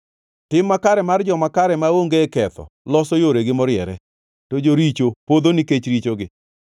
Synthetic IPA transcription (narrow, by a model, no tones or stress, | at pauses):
tɪmːakaɾɛmard͡ʒɔmakaɾɛmaoŋɡekɛt̪ɔ̰lɔsɔjoɾeɡɪmɔɾjɛɾɛ | tod͡ʒoɾit͡ʃopod̪oniket͡ʃɾit͡ʃoɡɪ